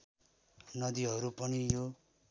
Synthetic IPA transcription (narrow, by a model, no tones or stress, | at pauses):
nʌd̪iɦʌɾupʌnijo